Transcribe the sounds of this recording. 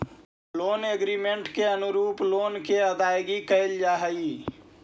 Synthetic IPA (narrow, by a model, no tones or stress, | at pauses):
loːneɡɾimeɳʈkeənʊɾuːploːnkeəd̪aːjɡikəeld͡ʒaːɦəi